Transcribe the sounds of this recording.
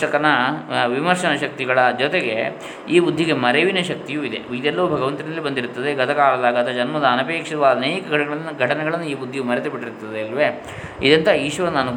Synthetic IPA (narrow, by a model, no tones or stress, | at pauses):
ɐkɐnɐʋimɐɾʂɐnɐʃɐk̚t̪iɡɐɭɐd͡ʒɔt̪eɡe̞ | iːbud̪ʱːiɡemɐɾeʋinɐʃɐk̚t̪ijuid̪e̞̰id̪ɛlːɐʋubʱɐɡɐʋɐnt̪inɐlːibɐnd̪iɾut̪ːɐd̪e̞ɡɐt̪ɐkaːlɐd̪aːɡɐt̪ɐd͡ʒɐnmɐd̪ɐːnɐpeːkʂɐd̪ɐʋaːd̪ɐneːkɐɡʱɐʈɐɡɐɐnːuɡʱɐʈɐnɛɡɐɭɐnːuiːbud̪ʱːijumɐɾɛt̪ebiʈːiɾut̪ːɐd̪eːlʋe̞ | id̪ɐnt̪ʰɐiːʃʋɐɾɐnːɐnu